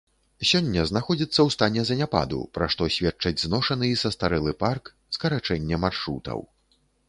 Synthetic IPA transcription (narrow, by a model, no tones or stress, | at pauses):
sʲɔnʲːɐznaxɔd͡zʲit̪sːɐwst̪anʲɛzɐnʲapa̰d̪ṵpɾaʂt̪ɔsʲvʲɛt͡ʂːɐd͡zʲznɔʂɐnɨisɐst̪aɾɛlˠɨpark | skɐɾat͡ʂɛnʲːɛmarʂɾṵt̪ɐ̰w